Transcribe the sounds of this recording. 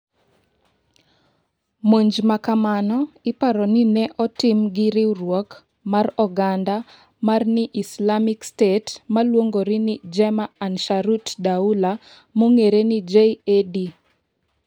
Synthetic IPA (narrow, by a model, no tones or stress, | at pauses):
moɲd͡ʒmakamanɔɪpaɾɔninɛʔɔtɪmɡɪɾɪrwɔk | marɔɡanda | marnɪʔislamikstetmalwoŋɡoɾinɪd͡ʒɛmaːnʃaɾutdaula | moŋeɾenid͡ʒeedi